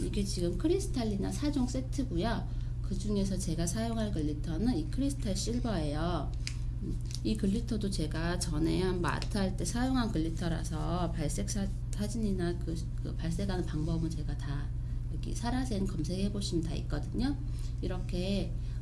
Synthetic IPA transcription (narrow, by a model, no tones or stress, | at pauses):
iɡe̞t͡ɕiɡɯmkʰɯɾisʰɯ̥tʰaʎːina̰sʰad͡ʑoŋs͈e̞tʰɯɡujʌ | kɯd͡ʑuŋe̞s̬ʰʌt͡ɕe̞ɡasʰajoŋɦankɯɭːitʰʌnɯnikʰɯɾisʰɯ̥tʰaɭɕ͈iɭbʌɦe̞jo | ikɯʎːitʰʌdot͡ɕe̞ɡat͡ɕʌne̞ɦanma̰tʰaɭt͈e̞sʰajoŋɦankɯʎːitʰʌɾa̰sʰʌpaɭs͈e̞k̚s͈ʰa | sʰad͡ʑiɲinakɯ | kɯ̰paɭs͈eɡɦanɯnpaŋbʌbɯnt͡ɕe̞ɡata | jʌɡḭsʰaɾasʰenkʌmsʰe̞ɡhe̞boɕʰimɯntaḭk̚k͈ʌdɯɲo | iɾʌkʰe̞